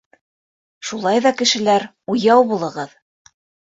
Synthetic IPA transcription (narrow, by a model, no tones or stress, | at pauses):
ʃulˠɑjðɑkɘ̆ʃɘ̆læɾ | ujɑwbulˠɤ̆ʁɤð